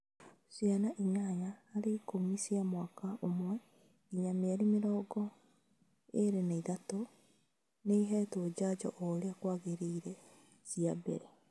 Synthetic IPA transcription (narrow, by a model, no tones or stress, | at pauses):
sianaʔiɲaɲaːɾeikomisiamwakaʔomwɛ | iɲameaɾimeɾɔːɡɔ | eɾenaiðato | neiɦɛtwɔd͡ʑad͡ʒɔ̰ʔɔɾeakwaɣeɾeiɾɛ | siabɛ̰ɾe